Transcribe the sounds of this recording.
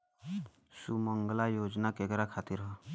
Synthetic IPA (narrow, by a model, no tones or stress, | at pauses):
sumʌŋɡlajod͡ʒnakeɡɾakʰat̪iɾɦʌ